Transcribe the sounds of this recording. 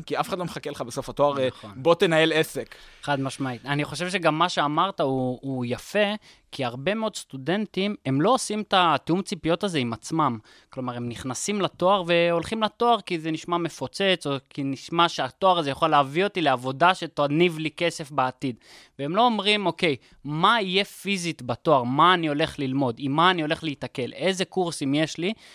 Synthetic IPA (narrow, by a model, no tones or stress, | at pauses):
kiafe̥χadlomeχakeleχabesofhat̪oaʁχonbo̞t̪enajelesekχad̪maʃmait̪aniχo̞ʃe̞vʃe̞ɡamːaʃe̞amaʁt̪auːjafe̞ | kiaʁbe̞meo̞d̪st̪ude̞ntime̞mlo̞osimt̪at̪eumt͡sipijo̞taze̞imat͡smam | klo̞maʁemniχnasimlat̪o̞aʁve̞o̞lχimlato̞aʁkizeniʃmame̞fo̞t͡se̞t͡sokʰiniʃmaʃeato̞aʁazejaχoleavio̞t̪ileavo̞daʃetonivlike̞sefbeat̪id | veemlo̞ːmʁimo̞ke̞j | maije̞fizitbato̞aʁmaːnio̞le̞χlilmo̞dimːaːnio̞le̞χleitake̞le̞zekuʁsimje̞ʃli